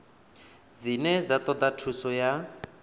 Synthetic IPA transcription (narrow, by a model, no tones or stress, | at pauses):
d͡zinɛd͡zat̪ɔd̪atʰusɔja